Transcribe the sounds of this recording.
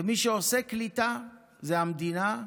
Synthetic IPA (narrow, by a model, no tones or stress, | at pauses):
miʃeoseklit̪a | zeɦamd̪ina